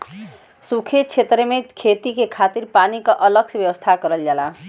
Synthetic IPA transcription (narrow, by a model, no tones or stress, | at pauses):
sukʰet͡sʰet̪rʌmekʰet̪ikekʰat̪irpanikoʔʌlʌk̚sʰbjʌwʌst̪ʰakʌɾʌljala